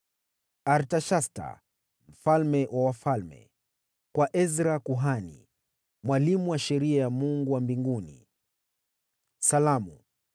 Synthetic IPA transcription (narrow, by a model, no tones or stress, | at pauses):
aɾtaʃasta̰ | m̩falmɛwʔawafalmɛ̰ | kwaʔɛzɾakuɦanḭ | mwalimuwaʃɛɾiajamuŋɡuwambiŋɡunḭ | salamu